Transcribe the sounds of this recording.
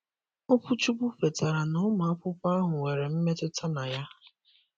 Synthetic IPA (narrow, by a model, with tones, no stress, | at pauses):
o˦pʊ˦t͡ʃu˦ɡ͡bu˦fe˨ta˨ɾa˨nʊ˦ma˨a˦pʊ˦pa˦a˦ɦʊ˨we˨ɾe˨m̩˦me˦tʊ˦tʰa˦na˨ja˦